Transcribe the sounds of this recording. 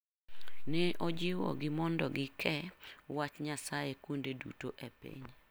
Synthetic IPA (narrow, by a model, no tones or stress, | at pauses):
nɛʔɔd͡ʒɪwɔ̰ɡɪmɔndɔɡɪkʰɛwat͡ʃɲasajekwondedṵtoʔepḭɲ